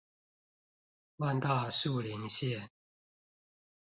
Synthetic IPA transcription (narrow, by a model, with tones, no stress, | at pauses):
wa˥˧nt̪a˥˧ʂu˥˨li˧˦ŋɕjɛ˥˨